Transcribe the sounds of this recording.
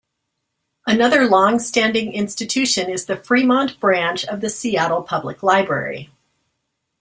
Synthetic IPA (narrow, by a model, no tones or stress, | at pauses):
ʔɨnʌðə˞lɔ̃ŋstæ̃ndɪ̃ŋɪ̃nstɨtʰʉʃɨ̃nɨzðɨfɹimɑ̃nb̥ɹæ̃nt͡ʃʌvðɨsiæɾl̩ˠpʰʌbləklaɪbɹɛ̰ɹḭ